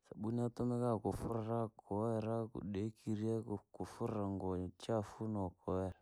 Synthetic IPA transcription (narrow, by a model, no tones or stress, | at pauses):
saɓunatunakakʊfʊɾɾakʰɔwɛɾakṵɗekiɾiekukufʊɾaŋɡɔt͡ʃafunɔkɔwɛɾ